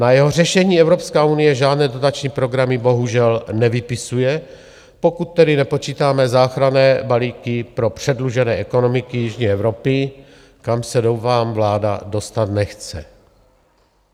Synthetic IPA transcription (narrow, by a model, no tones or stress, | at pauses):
najɛɦor̝ɛʃɛɲiːɛvɾopskaːunɪjɛʒaːdnɛːdo̞t̪at͡ʃɲiːpɾo̞ɡɾamɪbo̞ɦuʒɛlnɛvɪpɪsujɛ | po̞kut̪̚ːɛdɪnɛpo̞t͡ʃiːt̪aːmɛzaːxɾanɛːbaliːkɪpɾo̞pr̥ɛdluʒɛnɛːʔɛkono̞mɪkɪjɪʒɲiɛvɾopɪ | kamsɛdowfaːmvlaːda̰do̞st̪at̪nɛxt͡sɛ̰